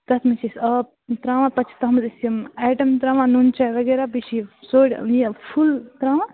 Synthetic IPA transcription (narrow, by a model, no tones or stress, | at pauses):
d̪̥ɐt̪ʰmit͡ʃʰisɐ | t̪ɾaːʋãpɐt͡ʃʰt̪ɐɦmd̪isijɐmaːʈɐmt̪ɾaːʋãnunt͡ʃʰaʋɐɡeɾabit͡ʃʰisoːɽʲjɐpʰult̪ɾaːʋã